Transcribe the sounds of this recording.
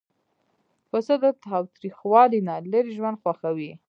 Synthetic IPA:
pəsəd̪ət̪ɑwt̪ɾixwɑlinaləɾiʒwand̪xwaxawi

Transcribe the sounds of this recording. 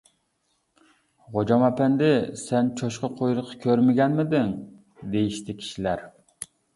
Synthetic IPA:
ʁod͡ʒɑmɑpɛnd̪ɪsɛnt͡ʃʰoʃqɑqʰojɾɨqʰːɑ̥kʲʰøɾmɪɡʲɛnmɪd̪ɪŋ | d̪ejiʃt̪ɪkʲʰi̥ʃilæɾ

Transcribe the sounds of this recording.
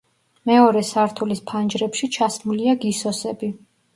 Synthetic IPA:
mɛɔɾɛsaɾt̪ʰulispʰand͡ʒɾɛpʃit͡ʃʰasmuliaɡisɔsɛbi

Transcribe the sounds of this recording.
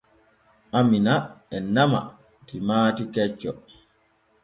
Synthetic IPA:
ʔaminaɛnama̰ | timaːtikɛt͡ʃːɔ

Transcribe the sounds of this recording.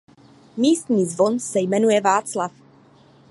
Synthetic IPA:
miːst̪ɲiːzvo̞nsɛjmɛnujɛvaːt͡slaf

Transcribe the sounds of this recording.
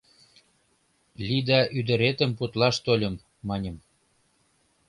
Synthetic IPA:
lʲid̪ɑʔyd̪ə̆ɾet̪əmput̪lɑʃt̪olʲə̆mː | ɑnʲə̆m

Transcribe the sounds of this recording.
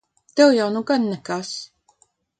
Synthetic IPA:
t̪ɛwjawnuɡanːɛkaːs

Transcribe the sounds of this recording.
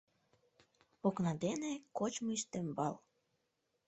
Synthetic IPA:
oknɑd̪enekot͡ɕmiʃt̪embɑl

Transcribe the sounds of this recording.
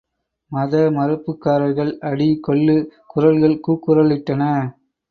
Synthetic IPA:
mɐðɐmɐɾɯpːɯkːaːɾɐɪɣɐɭɐɽikɔɭːɯkʊrɐlɣɐɭkuːkːɯɾɐɭɪʈːɐnɐ

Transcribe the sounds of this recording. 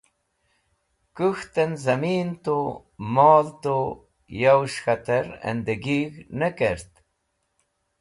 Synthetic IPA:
kuxt̪ənzamiːnt̪o | mɑːlt̪o | jawʃxat̪əɾɛ̰nd̪eɡiɣnəkeɾt̪

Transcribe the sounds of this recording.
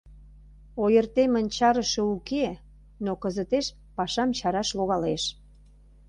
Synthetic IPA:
ojərt̪emə̆nʲt͡ɕɑɾəʃə̆uke | nokə̆zə̆t̪eʃ | pɑʃɑmt͡ɕɑɾɑʃloɣɑleʃ

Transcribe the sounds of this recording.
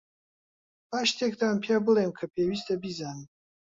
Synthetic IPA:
baːʃt̪ʰek̚d̪aːmpʰjaːbɨlemkʰɐpʰewiːst̪ɐbizaːnɨm

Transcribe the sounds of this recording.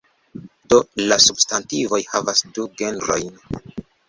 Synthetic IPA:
d̥o̞lasubstantivo̞jhavasduɡe̞nɾo̞̰jn

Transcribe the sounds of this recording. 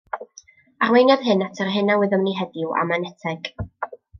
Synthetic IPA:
arwejnjɔðɦɨnatʰərɦɨnawɪðəmniɦɛdɪwa̰manɛtʰɛɡ̥

